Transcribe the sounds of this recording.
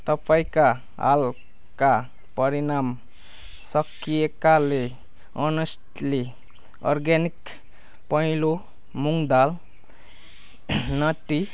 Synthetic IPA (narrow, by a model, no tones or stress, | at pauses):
t̪ʌpaĩka | ɦa̰l | ka | pʌɾinam | sʌkijekale | ʌnʌsʈ | le | ɔrɡanik | pʌĩlo | muŋd̪al | nʌʈi